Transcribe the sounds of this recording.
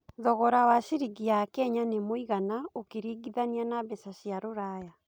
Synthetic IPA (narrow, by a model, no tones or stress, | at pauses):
ðɔɣɔɾawaʃiɾiɡiakɛɲanemoiɣanaokeɾiːɡiðanianabɛsaɕiaɾoɾaːja